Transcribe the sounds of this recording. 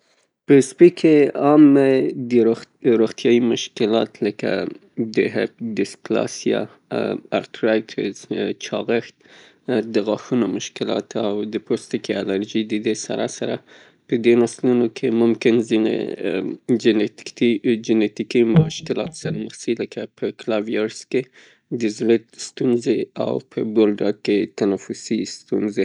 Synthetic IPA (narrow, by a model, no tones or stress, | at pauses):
pəspikʰeɑmed̪əɾoɾoɣt̪jɑjimʊʃkɪlɑt̪ləka̰ | d̪əɦḛp̚d̪ɪsklɑ̰sjɑ̰ | a̰ɾt̪ɾajtʰɪ̰zt͡ʃʰɑɣəxt̪̚ | d̪əɣɑxunomʊʃkɪlɑ̰t̪ʰawd̪əpost̪ɪkialaɾʒid̪əd̪esa̰ɾasaɾa | pəd̪enaslunokʰemʊmkɪnzinḛ | d͡ʒɪnet̪id͡ʒɪnet̪ikimʊʃkɪlɑt̪saɾaməxsəiləkapʰəklavijaɾske | d̪əzwet̪st̪unzea̰wpʰəɡoldɑket̪anafʊsist̪unze